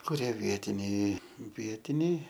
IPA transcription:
kʊˈrʲiɛ ˈʋʲiɛtʲɪnʲɛɪ ˈʋʲiɛtʲɪnʲɛɪ

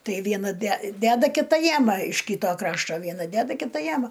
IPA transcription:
ˈtɐɪ ˈʋʲiɛnɐ dʲɛ ˈdʲæːdɐ kʲɪˈtɐ ˈjæːmɐ ɪʃ ˈkʲiːtoː ˈkrɑːʃtoː ˈʋʲiɛnɐ ˈdʲæːdɐ ˈkʲɪtɐ ˈjæːmɐ

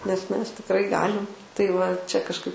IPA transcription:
nʲɛs ˈmʲɛs tʲɪkˈrɐɪ ˈɡɑːlʲɪm tɐɪ ʋɐ ˈt͡ʃʲɛ kɐʃˈkɐɪ

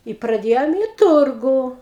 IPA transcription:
ɪ prɐˈdʲeːjoːm ɪ ˈtʊrɡʊ

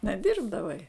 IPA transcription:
nʲɛˈdʲɪrbdɐʋɐɪ

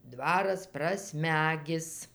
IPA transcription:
ˈdʋɑːrɐs prɐˈsʲmʲæːɡʲɪs

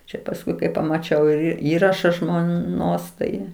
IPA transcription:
ˈt͡ʃʲɛ pɐsˈkʊɪ kɐɪ pɐmɐˈt͡ʃʲɛʊ ɪr ˈiːrɐʃɐ ʒmoːˈnoːs tɐɪ

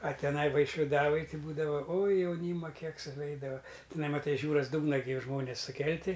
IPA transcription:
ɐ tʲɛˈnɐɪ ʋɐɪʃʲʋʲɪˈdɑːʋoːj ˈtɐɪ ˈbuːdɐʋɐ oːj jɛʊˈnʲiːmɐ ˈkʲiɛk sʊˈʋʲɛɪdɐʋɐ tʲɪˈnɐɪ mɐˈtɐɪ ɪʃ ˈjuːrɐs ˈduːɡnɐ ɡʲɪ ˈʒmoːnʲeːs sʊˈkʲɛlʲtʲɪ

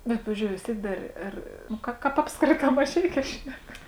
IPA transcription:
bʲɛt ˈpɑːʋʲɪzʲd͡ʒʲoːʊ ʋʲɪs ˈtʲiɛk ˈdɐr ˈɐr nʊ ˈkɐ ˈkɑːp ˈɑːpskrʲeːtɑː mɐˈʒʲɛɪkʲɛː ˈʃʲnʲɛk

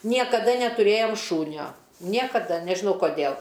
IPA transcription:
nʲiɛkɐˈdɐ nʲɛtʊˈrʲeːjoːm ˈʃuːnʲoː ˈnʲiɛkɐdɐ nʲɛʒʲɪˈnɐʊ koːˈdʲeːlˠ

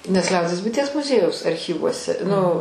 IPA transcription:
nʲɛs ˈlʲɛʊdʲiɛs bʊɪˈtʲiɛs mʊˈzʲiɛjɛʊs ɐrʲˈxʲiːʋuɔsʲɛ nʊ

